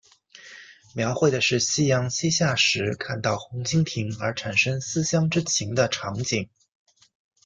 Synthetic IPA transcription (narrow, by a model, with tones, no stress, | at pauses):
mjɑ˧˥ʊxwe˥˩ɪd̪ə˩ʂɻ̩˥˩ɕi˥jɑ˧˥ŋɕi˥ɕja˥˩ʂɻ̩˧˥kʰa˥˧nt̪ɑ˥˩ʊxʊ˧˥ŋt͡ɕʰi˥ŋt̪ʰi˧˥ŋə˞˧˥ʈ͡ʂʰa˨˩nʂɤ˥ŋsɹ̩˥ɕjɑ˥ŋʈ͡ʂɻ̩˥t͡ɕʰi˧˥ŋd̪ə˧ʈ͡ʂʰɑ˧˥ŋt͡ɕi˨˩˦ŋ